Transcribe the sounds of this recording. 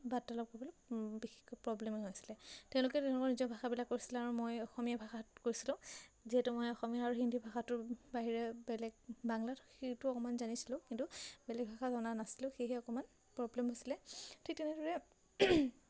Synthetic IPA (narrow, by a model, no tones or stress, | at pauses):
batːalɔp̚koɹibɔlɔbixi̥kpɹɔblɛmɛɦojsi̥lɛtɛ̃ʊ̃lʊkɛtɛ̃ʊ̃lʊkɔɹnizɔbʱaxabilakːoɹisilɛaɹumojɔxɔmijabʱaxatkoɹisilʊ̃ziɦɛtumojɔxɔmijaaɹuɦindʱibʱaxatʊɹbaɦiɹɛbɛlɛɡ̚baŋlatxetʊɔkɔmanzanisilʊ̃kintubɛlɛɡ̚bʱaxazɔnanasilʊ̃xeɦɛɔkɔman | pɹɔblɛmɦosilɛtʰik̚tɛnɛdɔɹɛ